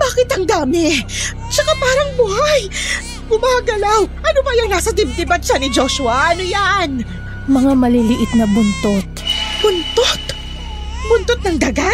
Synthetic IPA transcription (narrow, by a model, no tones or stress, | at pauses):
baːkɪt̪hɐŋd̪aːmɪ | t͡ʃɐkapaːɾɐŋbʊhaj | bʊmaːɡɐlawʔɐnobɐjɐŋnaːsɐt̪ɪb̚t̪ɪbɐsanɪd͡ʒoʃʊɐʔɐnojan | mɐŋamɐlilɪʔɪt̪̚nɐbʊnt̪ot̪̚b̥ʊnt̪ot̪ | bʊnt̪ot̪̚nɐŋd̪ɐɡa